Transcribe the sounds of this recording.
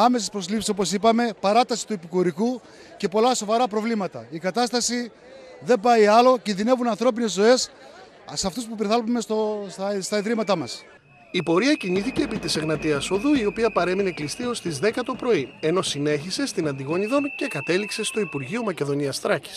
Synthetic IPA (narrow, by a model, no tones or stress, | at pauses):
ɐme̞sespɾo̞slipsi̥so̞po̞sipɐme̞pɐɾɐt̪ɐsi̥t̪uepikuɾiku | ce̞po̞lɐso̞vɐɾɐpɾo̞vlimɐt̪ɐikɐt̪ɐst̪ɐsi | ðe̞bɐiɐlo̞cinðine̞vunɐnθɾo̞pine̞zːo̞e̞s | sɐft̪uspupiɾθɐlumesosst̪ɐiðɾimɐt̪ɐmɐs | ipo̞ɾiɐciniθice̞ːpit̪iseɣnɐt̪iɐso̞ðuio̞piɐpɐɾe̞mine̞klist̪io̞st̪izðe̞kɐt̪o̞pɾo̞ie̞no̞sine̞çise̞st̪inɐnd̪iɣo̞ɲiðo̞nce̞kɐt̪e̞likse̞st̪oipuɾʝiomɐce̞ðo̞niɐst̪ɾɐci̥s